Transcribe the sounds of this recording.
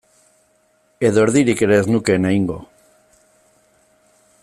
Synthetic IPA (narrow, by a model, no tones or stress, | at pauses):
eðoɾðiɾikeɾeznukeneiŋɡo̰